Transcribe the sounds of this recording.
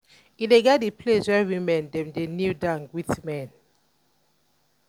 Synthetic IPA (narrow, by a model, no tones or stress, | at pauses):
ideɡadipʰleswɛwĩmɛ̃ndɛ̃mdenidãŋɡwiθmɛ̃n